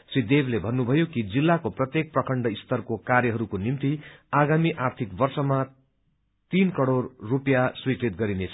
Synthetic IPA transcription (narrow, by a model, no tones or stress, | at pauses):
sid̪eblebʱʌnːubʱʌjokid͡zilːakoprʌt̪jek̚prʌkʰʌɳɖʌist̪ʌrkokaɾjʌɦʌɾukonimt̪iaɡamiʔart̪ʰikbʌrsʌma | t̪inkʌɽorːupjaswikɾit̪̚ɡʌɾinet͡sʰʌ